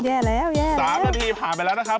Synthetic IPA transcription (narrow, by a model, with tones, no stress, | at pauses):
jɛː˧˩lɛː˦˥˩wjɛː˧˩aː˦˥a˧t̪ʰiː˧pʰaː˨˩npa˧jlɛ˦˥na˦˥kʰa˦˥